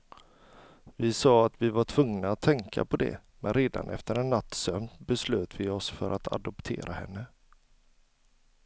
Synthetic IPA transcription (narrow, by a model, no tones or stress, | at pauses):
vɪsɑːat̪vɪvaʈʰvɵŋnaat̪ʰːɛŋkʰa̰pɔd̪ɛ̰mɛnɾeːd̪a̰nʔɛ̰ft̪əɾɛnːat̪ːsœmt̪bɛsløːt̪vɪɔsfœɾʔat̪ʰa̰d̪ɔpt̪ʰḛːɾʔahɛ̰nːə